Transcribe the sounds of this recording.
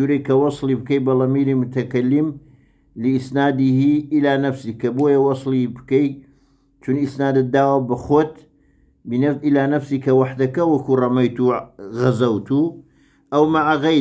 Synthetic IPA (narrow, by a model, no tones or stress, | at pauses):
uɾejkɐwɑslibɨkɐjbɐlɐmilimʊt̪ʰɐkɐlːim | lɨisnaːd̪ihiʔilaːnɐfsiːkɐboːjɐwɑslibɨkɐj | t͡ʃunisnaːd̪ɨd̪aːwɐbɐxoːt̪ | binɐʔilaːnɐfsiːkɐwaħd̪ɐkɐwɐkurˤɐmɐjt̪uɣɐzɐwt̪ʰu | ʔɐwmaʕaɣɐ